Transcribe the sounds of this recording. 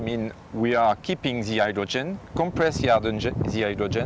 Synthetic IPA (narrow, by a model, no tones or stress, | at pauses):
mĩn | wiakʰipɪ̃ŋðiajdɹɔd͡ʒɛ̃nkɔ̃mpɹɛsiadnɛðiajdɹɔd͡ʒɛ̃